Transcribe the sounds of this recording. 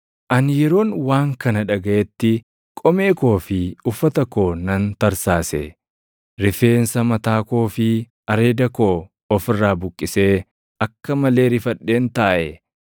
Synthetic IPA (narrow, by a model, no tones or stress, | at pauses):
ʔɐnjɛɾo̞ːnwaːŋkɐnɐᶑɐɡɐʔɛt̪ːɪ | kʼɔmeːko̞ːfɪʊfːɐt̪ɐko̞ːnɐnt̪ɐɾsaːsɛ̰ | ɾɪfe̞ːnsɐmɐt̪aːko̞ːfɪ | ɐɾe̞ːd̪ɐko̞ː | ɔfɪrːaːbʊkʼːɪse̞ː | ɐkːɐmɐle̞ːɾɪfɐᶑːe̞ːnt̪aːʔɛ